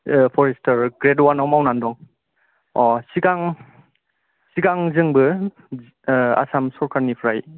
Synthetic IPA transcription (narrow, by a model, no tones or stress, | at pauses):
pʰɔɾestʰaɾɡɾedwanawmawnandɔŋ | ɔsiɡaŋ | siɡaŋzɯŋbɯ | a̰samsɔɾkʰaɾnipʰɾaj